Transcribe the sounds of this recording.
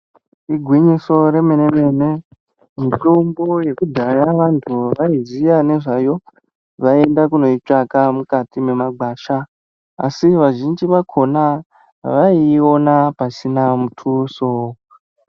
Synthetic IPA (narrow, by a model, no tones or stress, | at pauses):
iɡʱwiɲiso̞ɾe̞me̞ne̞me̞ne̞ | mitombo̞je̞kudʱajaʋantʰuʋaizijane̞ʐajo̞ | ʋae̞ndakuno̞it͡ʂakamukatime̞maɡʱaːʃa | a̰siʋaʒind͡ʒiʋakʰo̞na | ʋaio̞napasinamutʰuso